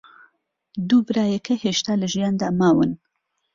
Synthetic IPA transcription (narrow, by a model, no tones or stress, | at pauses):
d̪ubɾɑjekʰeheʃt̪aləʒjɑnd̪amɑːwən